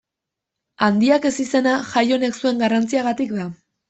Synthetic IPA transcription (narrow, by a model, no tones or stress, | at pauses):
and̪iake̞sise̞naʝajo̞ne̞ksue̞ŋɡarant͡siaɣat̪ikd̪a